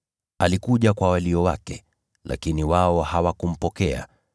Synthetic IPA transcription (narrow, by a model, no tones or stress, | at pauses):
alikuʄakwawaliɔwa̰kɛ | lʔa̰kiniwaɔhawakum̩pɔkɛa̰